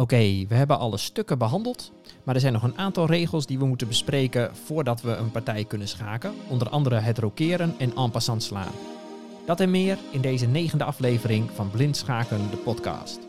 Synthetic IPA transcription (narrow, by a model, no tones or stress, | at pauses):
owkejʋəɦɛbəʔɑlˠəstøkəbəɦɑndəlˠt | maɹdɛɹzɛjnɔχənaːntɑlˠreːɣəlˠsdiʋəmutəbəspreːkəv̥oːɹdɑtʋəənpaɹtɛjkɵnənsxaːkəɔndərʔɑ̰ndəɾəɦətrokɪːɾənɛnaːmpasɑntsla̰ːn | d̥ɑtɛnmɪːərɪndeːzəneːɣəndəɑfleːvərɪŋvɑnblɪntsxaːkəndəpɔtkɑ̰ːst